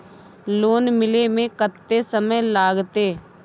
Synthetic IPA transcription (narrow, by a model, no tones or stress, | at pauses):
loːnmɪlemẽkət̪ːesəməjlaːɡt̪eː